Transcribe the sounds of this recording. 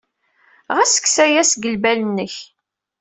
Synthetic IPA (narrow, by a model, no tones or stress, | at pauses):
ʁæsə̥ksæjæsɡəlbælənːəç